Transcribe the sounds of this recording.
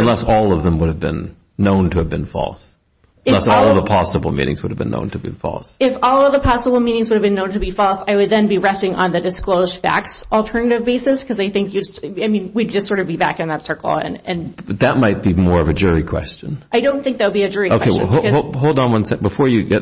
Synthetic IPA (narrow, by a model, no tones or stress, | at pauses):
ə̃nlɛsɔlˠʌvðə̃mwʊɾɨvbɨ̰̃nː | õʊ̃ntʰɨːvbɨ̃nfɔ̰lˠs | ɪlɛsɔlˠʌvðəpʰɑsəbl̩ˠmḭ̃nɪ̰̃ŋzwʊɾəvbɨ̃nːõ̰ʊ̃ntʰɨbɨ̃nfɔ̰lˠsɪfɔlˠʌvðəpʰɑsəbl̩ˠmĩnɪ̃ŋzwʊɾɨvbɨ̃nːõʊ̃ntʰɨbifɔlˠsaɪwɨd̪̚ðɨ̃nbiɹɛstɪ̃ŋʔə̰̃nðɨdɨskloʊz̥fæ̰ksl̩ˠtʰɜ˞nɨɾɨvbeɪsɨskʰʌzaɪθɪ̃ŋkjɨsaɪmĩnwid̚d͡ʒʌstsɔɹɾʌvbibæ̰kɨ̃nðətsɜ˞kl̩̰ˠɨ̰̃nɨ̃nʌðɨt̚maɪt̚b̥imɔɹʌvɨd͡ʒʊɹikʰw̥ɛ̰st͡ʃɨ̃nʔaɪdõʊ̃nθɪ̃ŋk̚ðɨt̚wəbiɨd͡ʒʊɹikoʊeɪɦokʌoɦoʊlˠdãnwʌ̃nsɛ̃b̥əfɔɹjɨɡɛ